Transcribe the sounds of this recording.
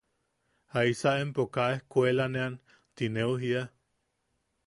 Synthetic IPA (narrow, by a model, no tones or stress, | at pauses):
haisaempokaehkʷelanean | t̪ineuɦia